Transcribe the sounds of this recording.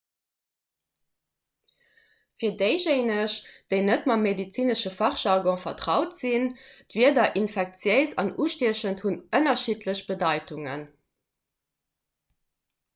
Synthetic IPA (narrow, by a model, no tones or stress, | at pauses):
fiːɐdəɪʒeɪnəʃd̥əɪnətmɑmedit͡siːnəʃəfɑχʃɑʁɡɔ̃fɐtʁɑʊtz̥indv̥iɐdɐʔinfɛk̚t͡sjəɪzɑ̰nuːʃtiəɕənthunənɐʃiːtləɕb̥ədɑɪtuŋə̰n